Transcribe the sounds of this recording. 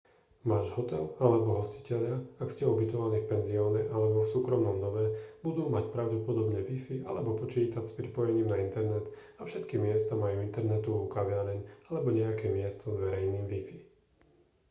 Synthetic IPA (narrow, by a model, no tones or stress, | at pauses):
maːʒɦɔt̪ɛlalɛbɔɦɔsci̥cɛʎɪaakscɛɔbit̪ɔʋaniːfpɛnziɔːɲɛʔalɛbɔfsuːkɾɔmnɔmnɔʋɛb̥ud̪uːmacpɾaʊɟɛpɔd̪ɔbɲɛʋifia̰lɛbɔpɔt͡ʃiːt̪acspɾipɔjɛɲiːmnaint̪ɛɾnɛt̪ | afʃɛt̪kimɪɛst̪amajuint̪ɛɾnɛt̪uukaʋɪaɾɛɲalɛbɔɲɛakɛːmɪɛst̪ɔzʋɛɾɛjniːmvifi